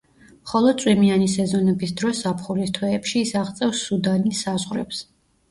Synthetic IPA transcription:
χɔlˠɔsʼwimianisɛzɔnɛbisd̪ɾɔsapχulist̪ʰwɛːpʃiːsaʁt̪sʼɛfsːud̪anisazʁɾɛ̰ps

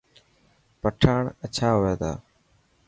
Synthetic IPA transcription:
pəʈʰaːɳət͡ʃʰaːɦoːeːt̪a̰ː

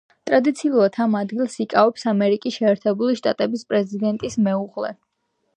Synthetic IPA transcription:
t̪ʼɾad̪it̪sʰiulˠuɾat̪ʰamad̪ɡilˠsikʼavɛpsamɛɾikʼisʃɛːɾt̪ʰɛbuliʃt̪ʼat̪ʼɛbispʼɾɛzid̪ɛnt̪ʼismɛuʁlɛ̰

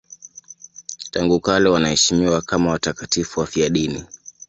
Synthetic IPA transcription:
taŋɡukalɛwanahɛʃimiwakamawatakatifuwafiaɗini

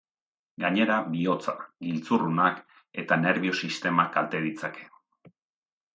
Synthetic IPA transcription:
ɡaɲe̞ɾaβio̞t͡saɡilt͡surunak | e̞t̪ane̞ɾβio̞sist̪e̞makalt̪e̞ð̞it͡sake̞̥

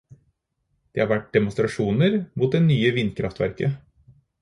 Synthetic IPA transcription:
d̪̥eːhɑɾʋæʈ̚d̪ɛmʊnst̪ɾɑʂuːnəɾmuːt̪̚d̪ɛnyːəʋɪnːkʰɾʔɑft̪ʋæ̰ɾkə

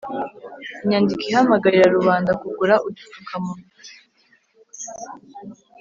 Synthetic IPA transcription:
iɲaːndikihamaɡaɾiɾaɾuβaːndakuɡuɾaʔutu̥tu̥kʰamunu

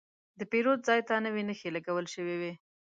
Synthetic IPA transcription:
d̪əpeɾod̪̚zɑjt̪anəwenəxelaɡawəlʃəwewe

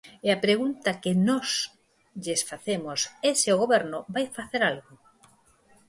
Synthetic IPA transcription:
eapɾeɣunt̪akenɔs | ʎesfaθemoseseoɣoβeɾnobajfaθeɾalɣo

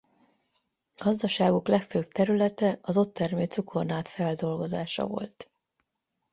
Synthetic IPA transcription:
ɡ̥ɒzd̪ɒʃaːɡuklɛkføːb̚t̪ɛɾylɛt̪ɛɒzo̞t̪ːɛrmeːt̪sukʰo̞rnaːt̪fɛld̪o̞lɡo̞zaːʃɒ̰vo̞̰lt̪

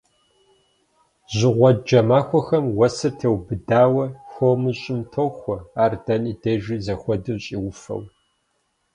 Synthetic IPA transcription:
ʑɪʁʷɔd̚d͡ʒɐmaːxʷɔxɐmwɐsɨrtʰewbɨdaːwɐxomɨɕʼɪmtʰoxʷɔaːrdɐniːdɐʒizɐxʷɔdɨɕʼiːwʊfɐ̰w

